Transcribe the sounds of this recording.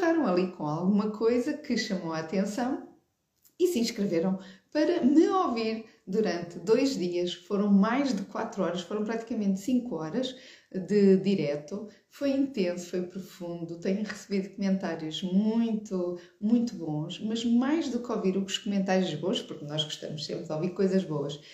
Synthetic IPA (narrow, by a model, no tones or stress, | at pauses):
ʁaɾɐ̃w̃ɐlˠikõalˠɣumɐkʰojzɐkʰɨʃɐmoat̪ẽsɐ̃w̃ | isĩʃkɾɨveɾɐ̃w̃pɐɾɐmɨoviɾ | d̪uɾɐ̃nt̪d̪ojʒðiɐʃfoɾɐ̃w̃majʒd̪ɨkwat̪ɾuɔɾɐʃfoɾɐ̃w̃pɾat̪i̥kɐmẽnt̪sĩŋkwɔɾɐʃ | d̪ɨd̪iɾɛt̪u | fojĩnt̪ẽsu̥fojpɾufũnd̪ut̪ɛɲɐ̃ʁɨsɨβiðukumẽnt̪aɾjuʒmũj̃t̪u | mũj̃t̪uβõʃmɐʒmajʒðukoviɾuuʃkumẽnt̪aɾjuʒβõʃpuɾknɔʒɣu̥ʃt̪ɐ̰muʃsḛ̃mpɾðɔviɾkojzɐʒβoɐʃ